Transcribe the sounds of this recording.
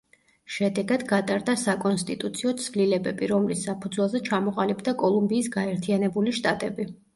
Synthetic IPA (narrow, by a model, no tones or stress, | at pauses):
ʃɛd̪ɛɡad̪ɡat̪ʼaɾd̪asakʼɔnst̪ʼit̪ʼut̪sʰiɔt̪sʰvlilɛbɛbiɾɔmlisːapʰud̪zwɛlˠzɛt͡ʃʰamɔqʼalibd̪akʼɔlˠumbiːsɡaɛɾt̪ʰianɛbuliʃt̪ʼat̪ʼɛbi